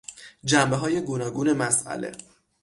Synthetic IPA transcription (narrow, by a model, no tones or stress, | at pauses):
d͡ʒæmbeɦɒːje̞ɡuːnɒːɡuːne̞mæsʔæ̰le̞̰